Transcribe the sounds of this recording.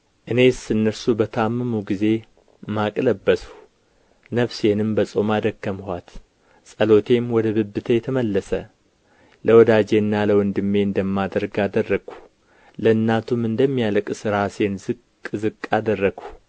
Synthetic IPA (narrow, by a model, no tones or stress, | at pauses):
ʔɨne̞sɨnːəɾsubət̪ʰamːɨmuɡize̞ | makʼləbːəsu̥ | nəβse̞nɨmbəsʼo̞mad̪əkːəmhʷat̪ | sʼəlo̞t̪ʰe̞mwɔd̪əβɨbːɨt̪ʰəjɛt̪ʰəməlːəsə̰ | ləwɔd̪ad͡ʒe̞nːaləwɔnd̪ɨmːe̞ɨnd̪əmːad̪əɾɡad̪ərːəɡ̥u̥ | ləɨnːat̪ʰumɨnd̪əmːijaləkʼsɨɾase̞nzɨkʼː | zɨkʼːad̪ərːəɡ̥u̥